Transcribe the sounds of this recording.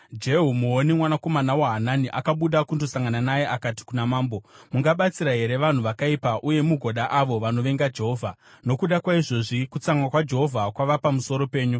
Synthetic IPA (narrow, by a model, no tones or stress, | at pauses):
d͡ʒe̞ɦumuonimwanako̞manawaɦananiʔakaɓuɗakundosaŋɡananajeʔakati̥kunamaːmbomuŋɡaɓat͡siɾaɦe̞ɾe̞ʋan̤uʋakaipaʔuje̞muɡʱoɗaʔaʋo̞ʋano̞ʋe̞ŋɡad͡ʒe̞ɦo̞ːvʱa | no̞kuɗakwaiʐo̞ʐikut͡saŋwakwad͡ʒe̞ɦo̞vʱakwaʋapamuso̞ɾo̞pe̞ːɲu